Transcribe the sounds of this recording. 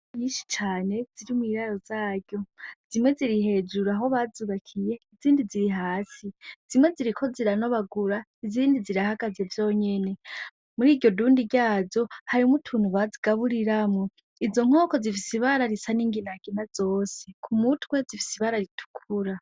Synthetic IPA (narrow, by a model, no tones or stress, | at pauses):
iːʃi̥t͡ʃaːne̞z̥iɾimwiɾaɾo̞z̥aːɟɟo̞z̥imwe̞ziɾiɦe̞d͡ʒuɾaɦo̞βazuβakʰije̞iziːndiziɾiɦaːsiz̥imwe̞ziɾikʰo̞ziɾano̞βaɡuɾa | iziːndiziɾahaɡaze̞vjo̞ːɲe̞ne̞ | muɾiːdɟo̞duːndiɟaːzo̞haɾimutʰuːnuβaziɡ̥aβuɾiɾamŋo | izo̞ŋ̥o̞ːko̞zifisiβaɾaɾisaniːŋɡinaɡ̥inaz̥o̞ːse̞kʰumutwe̞zifi̥siβaɾaɾitʰu̥kʰuɾa